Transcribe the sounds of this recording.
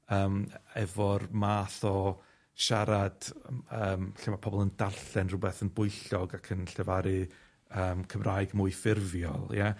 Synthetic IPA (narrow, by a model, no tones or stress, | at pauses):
əːmɛvɔrmaːθɔ | ʃaɾad̥əːmɬamapʰɔbɔlˠəndarɬɛnrʊbɛθənbʊɨɬɔɡakʰənɬɛvaɾɨ | əːmkʰəmraːjɡmuːɨfɪrvjɔ̰lˠja